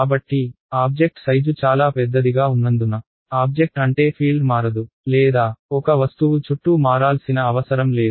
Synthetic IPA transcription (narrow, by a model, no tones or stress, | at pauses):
kaːbɐʈːi | aːb̚d͡ʒe̞k̚ʈsɐjd͡ʒut͡ʃaːlaːpɛd̪ːɐd̪iɡaːunːɐnd̪unɐ | aːb̚d͡ʒek̚ʈɐɳʈe̞ːpʰiːlɖmaːɾɐd̪u | lɛːd̪aːɔkɐʋɐst̪uʋut͡ʃuʈːumaːɾaːlsinɐːʋɐsɐɾɐmle̞ːd̪